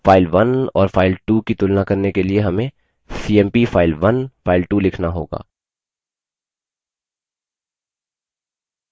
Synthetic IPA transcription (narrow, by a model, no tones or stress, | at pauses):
faːɪlʋɐnɔ̰ːɾfaːɪlʈuːkit̪ʊlnakɐɾnekelieɦɐmẽ | siːɛ̃ːmpifʰaːɪlʋɐnfʰaːɪlʈulɪkʰnaɦo̰ːɡa̰ː